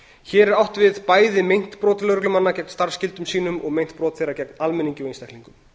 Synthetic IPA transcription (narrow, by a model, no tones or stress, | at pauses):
çɛːɾɛɾawht̪vɪðpaːjðɪmejn̥t̪pɾɔːt̪lœɾʏklʏmanːacɛkn̥st̪aɾ̥scɪlt̪ʏmsiːnʏmɔɣmejn̥t̪̚pɾɔːt̪θejrːacɛk̚nalmɛniɲcɪvenst̪ɛhkliŋkʏm